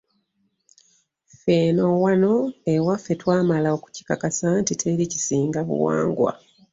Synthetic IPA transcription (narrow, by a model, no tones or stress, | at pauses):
feːno̞wano̞e̞wafe̞twaːmalaoku̥ci̥kakasantitʰe̞licisiːŋɡaβṵwa̰ːŋɡwa̰